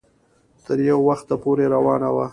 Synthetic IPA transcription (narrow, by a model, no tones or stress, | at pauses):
t̪əɾjawːaxt̪apoɾeɾawɑnawa